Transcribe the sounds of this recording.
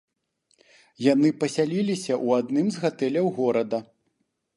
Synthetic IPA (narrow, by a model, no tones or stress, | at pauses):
janɨpɐsʲalʲilʲisʲɐʔuad̪nɨmzɣat̪ɛlʲɐwɣɔɾɐd̪ɐ